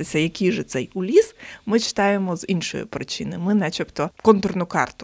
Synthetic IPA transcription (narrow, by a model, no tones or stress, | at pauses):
ɪsʲɐjɐkʲijʒɛt̪sɛjʊlʲismɪt͡ʃɪ̥t̪ɑjemɔzinʃɔ̰jʊ̰pɾɪt͡ʃɪnɪmɪnɐt͡ʃɔpt̪ɔkɔnt̪ɔrnʊkɑ̰rt̪ʊ̥